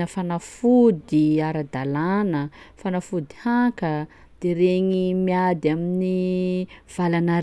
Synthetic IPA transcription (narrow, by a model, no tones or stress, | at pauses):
əfanafud̪iaɾad̪alanəfanafud̪ihakə | d̪̥eɾeɲimiad̪iamini | v̥alana